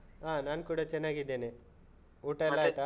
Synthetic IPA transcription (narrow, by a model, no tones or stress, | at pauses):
ɦaːnaːnkuːɽat͡ʃɛnːaːɡid̪ːeːne | uːʈɐlːaːjt̪ɐ